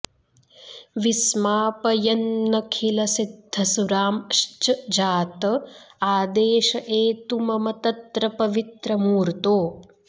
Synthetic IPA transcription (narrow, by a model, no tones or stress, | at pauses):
ʋismaːpɐjɐnːɐkʰilɐsid̪ʱːɐsuɾaːmʃt͡ʃɐd͡ʒaːt̪ɐaːd̪eːʃɐʔeːt̪umɐmɐt̪ɐt̪ɾɐpɐʋit̪ɾɐmuːɾt̪oː